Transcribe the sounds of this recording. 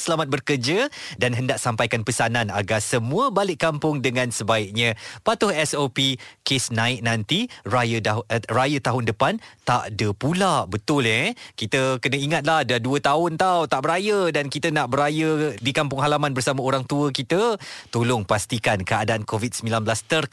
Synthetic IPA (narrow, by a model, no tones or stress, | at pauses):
səlamat̪̚bərkərd͡ʒədanɦəndaʔsampajkanpəsanana̰ɡasəmũəbalɪʔampʊŋdəŋãnsəbaɪk̚ɲə̃pat̪ʊhɛsopikesnãɪk̚nant̪irajərajət̪aɦʊndəpant̪aʔdəpulaʔbət̪ʊlɛkit̪əkənə̃iŋat̪̚lahdaduət̪aɦʊnt̪awt̪aʔbəɾajədankit̪ənaʔbəɾajədikampʊŋɦalamanbərsamaoɾaŋt̪uəkit̪ət̪olʊŋpast̪ikankəadaʔankovid̪̚səmilanbəlast̪ər